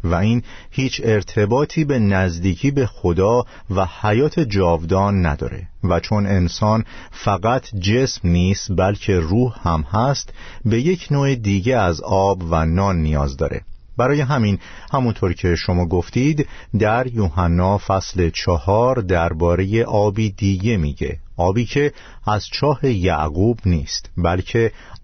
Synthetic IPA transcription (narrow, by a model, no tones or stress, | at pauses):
væiːn | hiːt͡ʃʰe̞ɾt̪ʰe̞bɒːt̪ʰiːbe̞næzd̪iːcʰiːbe̞xod̪ɒː | væhæjɒːt̪ʰe̞d͡ʒɒːvd̪ɒːnːæ̰d̪ɒ̰ːɾe̞̰væt͡ʃʰo̞ne̞nsɒːn | fæɣæt̪ʰd͡ʒe̞smniːst̪bælcʰe̞ruːhhæmhæst̪be̞je̞cʰnoːed̪iːɟe̞æzɒːbvænɒːnːijɒːzd̪ɒ̰ːɾe̞̰ | b̥æɾɒːje̞ɦæmin | hæmunt̪ʰo̞ɾcʰe̞ʃo̞mɒːɡo̞ft̪iːd̪ | d̪æɾjuːhænːɒːfæsle̞t͡ʃʰɒhɒːɾd̪æɾbɒːɾe̞je̞ʔɒːbiːd̪iːɟe̞miːɟe̞̰ʔɒːbiːcʰe̞ | æz̥t͡ʃʰɒːhejæ̰ʔɡuːbniːst̪bælcʰe̞